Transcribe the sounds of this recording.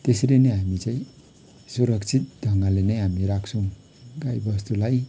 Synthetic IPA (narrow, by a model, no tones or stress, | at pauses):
t̪esɾenʌjɦamit͡sãĩ | suɾʌkt͡sʰit̪̚d̪ʱʌŋɡalenʌjɦamiɾakʰsʰũ | ɡajbʌst̪ulaj